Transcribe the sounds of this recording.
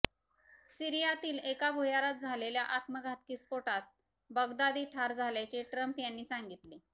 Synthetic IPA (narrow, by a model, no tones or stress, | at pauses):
siɾijat̪iːlekabʱujaɾat̪̚d͡zʱaleljaʔat̪məɡʱat̪kiːsfoʈat̪̚ | bəɡd̪ad̪iːʈʰaɾd͡zʱaljat͡ɕeʈɾəmpjanːiːsaŋɡit̪le